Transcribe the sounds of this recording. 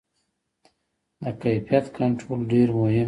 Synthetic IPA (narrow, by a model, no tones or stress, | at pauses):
d̪əkajfijat̪kʰaɳʈɾolɖeɾmʊhɪ